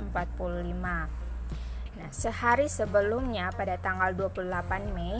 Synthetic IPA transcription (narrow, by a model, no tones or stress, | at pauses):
əmpat̪̚pululima | nahsəhaɾisəbəlumɲapadat̪aŋɡalduapululapanmɛ